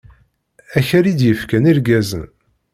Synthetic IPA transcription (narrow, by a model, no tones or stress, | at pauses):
æçəɾid̪jəfkæniɾɡæzə̰n